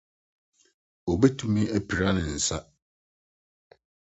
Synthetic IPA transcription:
o˨bɛ˦tʰu˦mĩ˦æ˦pʰi˨ɾa˦nɪ̃˨n̩˨sa˦

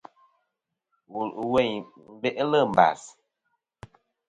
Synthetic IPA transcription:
wu˨lwɛ˦˨ɲ | m̩˨˦be˦ʔlə˦˨m̩˨ba̰˨s

